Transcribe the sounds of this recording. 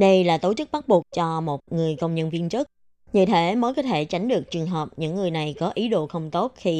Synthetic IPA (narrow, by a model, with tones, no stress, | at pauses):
ɗə˧jlaː˨˩t̪o˧˦t͡ɕɨ˦˥k̚ɓa˦˥t̚ɓu˨˩ək̚t͡ɕɔ˧mo˨˩t̚ŋɨ˨˩əjkə˧wŋ͡mɲə˧nvi˧ənt͡ɕɨ˦˥t̚ | ɲɨ̰˧˩t̪ʰe˧˥məː˨˦jkɔ˨˦t̪ʰe˧˩t͡ɕa˨˦jŋ̟ɗɨ˨˩ək̚t͡ɕɨ˨˩əŋɦəː˨˩p̚ɲɨ̰˧˥ŋːɨ˨˩əjna˨˩jkɔ˨˦ʔi˨˦ɗo̰˧˨xə˧wŋ͡mt̪o˦˥t̚xi˧